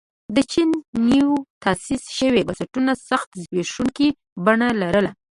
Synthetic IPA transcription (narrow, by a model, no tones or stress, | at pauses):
d̪ət͡ʃinːiwt̪asisʃəwebasaʈunasaxt̪zweʂuŋki | baɳalaɾəla